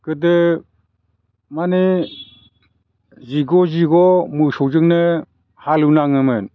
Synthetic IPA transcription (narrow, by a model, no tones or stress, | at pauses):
kɯdɯ | mani | ziɡɔziɡɔmɯsɔwzɯŋnɯ | halɯnaŋɯmɯn